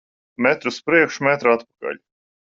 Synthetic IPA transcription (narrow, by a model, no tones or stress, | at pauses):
mɛt̪ɾuspɾiɛkʃmɛt̪ɾat̪pḁka̰ʎʲ